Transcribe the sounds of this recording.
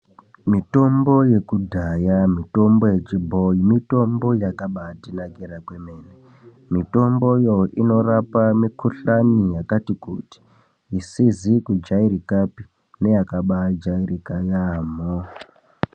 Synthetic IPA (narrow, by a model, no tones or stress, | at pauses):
mito̞mbo̞je̞kudʱajamito̞mbo̞je̞t͡ʃibʱojimito̞mbo̞jakaɓatinaɡiɾakwe̞me̞ːne | mito̞mbo̞joino̞rapamikuɬanijakatikuti̥ | isizikud͡ʒaiɾikapi | ne̞jakaɓad͡ʒairikajaːmo